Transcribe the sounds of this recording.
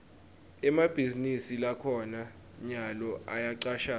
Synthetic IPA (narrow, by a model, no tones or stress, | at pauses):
ɛmab̥ʱizinisilakʰɔna | ɲalɔʔajaǀaːʃa